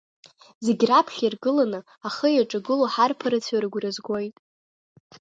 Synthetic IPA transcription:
zeɡʲrapʰχʲirɡɨlanɨ | aχəjaʈ͡ʂʼaɡɨloħarpʰaɾɨt͡sʰaɾɨɡʷrɨzɡʷojtʼ

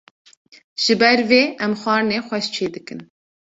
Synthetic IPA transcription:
ʒ̥ɨbɛɾveːʔɛmxʷɑːɾneːxʷɛʃt͡ʃʰeːd̪ɨkɨn

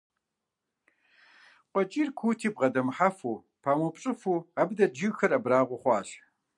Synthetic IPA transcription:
qʷɔt͡ʃʼiːrkʷʰuːtʰiːbʁɐdɐmħafuː | pʰaːmupɕʼɨfuːabdɐd͡ʒixɐrɐbraːʁʷʊχʷɑːɬ

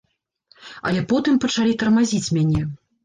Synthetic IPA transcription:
ɐ̰lʲɛpɔt̪ɨmpɐt͡ʂalʲit̪ɐrmazʲit͡sʲmʲanʲɛ

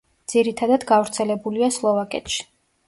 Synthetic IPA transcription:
d̪z̥iɾit̪ʰad̪ad̪ɡavɾt̪sʰɛlɛbuliaslˠɔvakʼɛ̰t̪ʃi̥

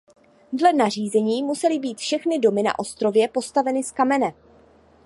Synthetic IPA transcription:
dlɛnar̝iːzɛɲiːmusɛlɪbiːt̪fʃɛxnɪdo̞mɪna̰ʔo̞st̪ɾo̞vjɛpo̞st̪avɛnɪskamɛnɛ

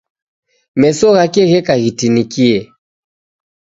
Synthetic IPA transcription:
mɛsɔɣakɛɣɛkaɣitinikiɛ

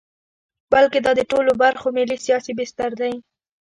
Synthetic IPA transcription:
balked̪ɑd̪əʈolobaɾxomɪlisijɑsibɪst̪aɾd̪aji

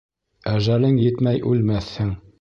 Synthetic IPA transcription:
æʒælɘŋjɘt̪mæjʔʉlmæθhɘŋ

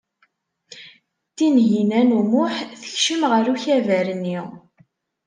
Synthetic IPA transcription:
t̪ːinʝinænumʊħθə̥çʃəmʁəɾuçævæɾənːi

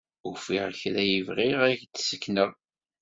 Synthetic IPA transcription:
ʊfiʁçɾæjivʁɪʁæçd̪səkːnəʁˤ

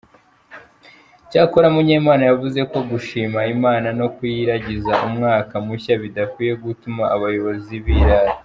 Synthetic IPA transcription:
caːkoɾamuɲeːmaːnajavuze̞ko̞ɡuʃiːmaimaːnano̞kujiɾaɟizaʔumŋaːkamuçaβidakwiːje̞ɡutumaːβajo̞βo̞ziβiːɾaɾi

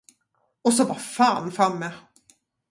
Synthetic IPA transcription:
ɔsɔbɑfaːnfɾamːɛ

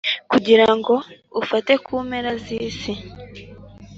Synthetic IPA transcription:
kuɟiɾaŋɡo̞ | ufate̞kʰuːmeɾaziːsi

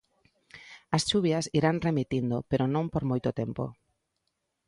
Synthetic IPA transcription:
ɐst͡ʃuβjɐsiɾaŋremit̪ind̪opeɾonõmpoɾmojt̪ot̪empo̰

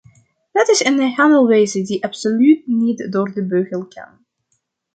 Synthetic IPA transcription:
dɑtɪsənəɦanəlˠʋejzədiʔɑpsolyt̚nitdoːrdəbøɣəlˠkʰa̰n

